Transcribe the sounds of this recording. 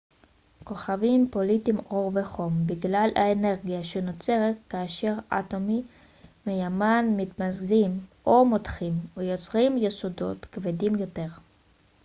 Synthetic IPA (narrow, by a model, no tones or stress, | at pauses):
ko̞χavimpo̞litimo̞ʁveχo̞mbiɡlala̰ene̞ʁɡijaʃeno̞t͡se̞ʁet̚kaːʃe̞ʁa̰to̞mi | mejamanmit̪mazɡzimʔo̞mo̞tχimvejot͡sʁimjesodo̞̰tkvedimjo̞te̞ʁ